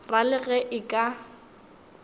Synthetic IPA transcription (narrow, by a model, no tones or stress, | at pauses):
ralɪɣɛʔɪkʼa